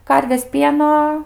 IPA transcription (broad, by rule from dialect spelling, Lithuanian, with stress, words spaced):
ˈkɐrʲʋʲeːs ˈpʲiɛnoː